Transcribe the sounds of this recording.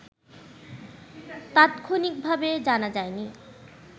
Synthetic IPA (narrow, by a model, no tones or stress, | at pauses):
t̪at̪kʰonik̚bʱabed͡ʑanad͡ʑajni